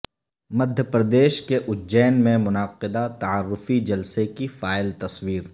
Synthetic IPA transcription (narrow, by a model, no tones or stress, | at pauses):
mɐd̪ʱjəpɾɐd̪eːʃkeʔʊd͡ʒɛːnmẽmʊnaːqɪd̪at̪ɐaːɾːʊfid͡ʒɐlsekifaːɪlt̪ɐswiːɾ